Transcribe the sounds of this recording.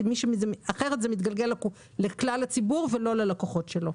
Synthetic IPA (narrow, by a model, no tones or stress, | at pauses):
miʃemzeaχeʁet̪zemit̪ɡalɡelak | leklalat͡sibuʁvelo̞lelakoχo̞tʃelo̞